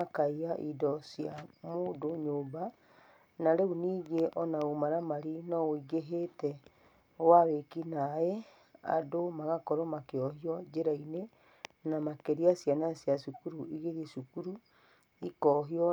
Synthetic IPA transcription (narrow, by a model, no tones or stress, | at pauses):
akaiaʔidɔsjamodoɲoːba | naɾeuniːɣeʔɔnaomaɾamaɾinɔoiɡeɦetɛ | waβekinaɛ | a̰domaɣakɔɾɔmakeɔɦiɔd͡ʒeɾaine | namakeɾiasjanasjasukuɾuiɣeðisukuɾu | ikɔɦiɔ